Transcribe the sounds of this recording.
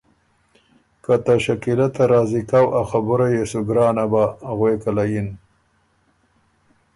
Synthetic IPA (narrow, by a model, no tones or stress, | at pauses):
kat̪aʃakilat̪aɾɑːzikawʔaxabʊɾajesuɡɾɑːnabaɣwekalajin